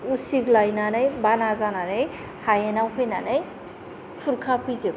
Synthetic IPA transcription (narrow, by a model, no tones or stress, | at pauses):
usiklajnanɯjbanazananɯj | hajenawkʰɯjnanɯj | pʰuɾkʰapʰɯze